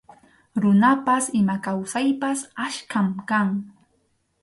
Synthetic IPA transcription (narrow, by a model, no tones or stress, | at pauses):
ɾʊnapasɪmakawsajpasaʃkamkaŋ